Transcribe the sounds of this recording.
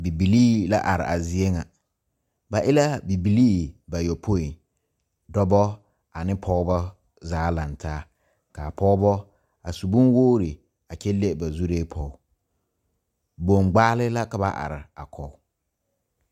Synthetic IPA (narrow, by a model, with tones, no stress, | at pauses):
bi˨bi˨liː˦la̰˦ʔa˨ɾɪ̰˨ʔa˨zɪ˦e˦ŋa˨ | ba˨ʔɪ˦la˦bi˨bi˨liː˦ba˨jɔ˨pʰo˦i˨ | dɔ˦bɔ˦ | a˨nɪ˦pʰɔ˦bɔ˦ | zaː˦la˨ntʰaː˦ | ka˨pʰɔ˦bɔ˦ | a˨su˨bu˦nwoː˦ɾɪ˨ | a˨t͡ʃɛ˦le˦˨ba˨zu˦ɾeː˦pʰɔ˦ʊ˦ | bo˨ŋɡ͡baː˦lɪ˦la˦ka˨ba˦ʔa̰˨ɾɪ˨a˨kʰɔ˨ʊ˦